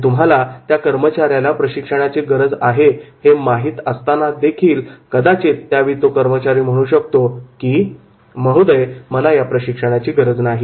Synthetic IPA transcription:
t̪um̤ʱalat̪jakəɾmət͡ɕaɾjalapɾəɕikʂəɽ̃at͡ɕeɡəɾəd͡zaɦehemaɦiːt̪əst̪anad̪ekʰiːlkəd̪at͡ɕet̪ːjaʋiːt̪okəɾmət͡ɕaɾiːm̤əɽ̃uːɕək̚t̪okiː | məɦud̪əjməlajapɾəɕikʂəɽ̃at͡ɕiːɡəɾəd͡znaɦi

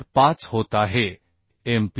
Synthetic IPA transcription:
pãːt͡sɦoːt̪aɦe | emp

